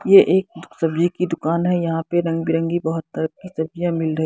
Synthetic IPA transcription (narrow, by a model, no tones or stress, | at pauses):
jeʔeːk̚ʊsɐbd͡ʒikid̪ʊkaːnɦɛjɐɦãpeɾɐ̃ŋɡbɪɾə̃ŋɡibɐɦʊt̪ːɐɾəkːisɐbd͡ʒijãmɪlɾɐɦi